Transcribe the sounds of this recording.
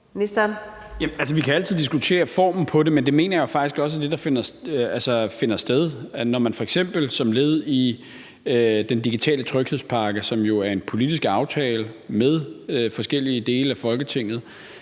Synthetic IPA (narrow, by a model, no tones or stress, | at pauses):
nisd̥æn | jæælsəʋikʰææl̰t͡sʰiðˠdisɡ̥ut͡sʰe̝̰ːɐfɒ̰ːmn̩pʰɒ̽de̝mend̥e̝me̝̰ːnɐjofɑ̈ɡ̥isɡ̥ɒ̽s̬əæɐd̥e̝d̥ɑ̈fe̝nɐsælsɐfe̝nɐsd̥eð̞ˠnɒmænfɒ̽eɡ̥sem̰b̥l̩sɒ̽mle̝ð̞̩ˠi | ød̥end̥iɡ̥it͡sʰɛ̰ːlət͡sʰʁœɡ̥he̝spʰɑ̈ːɡ̥əsɒ̽mjo̝æɐe̝npʰo̝lid̥isɡ̥ɑ̈ʊt͡sʰɛːləmeð̞ˠøfɒ̽sɡ̥el̰iəd̥e̝ːləæfɒ̽lɡ̥ət͡sʰe̝ŋ̰ð̞̩ˠ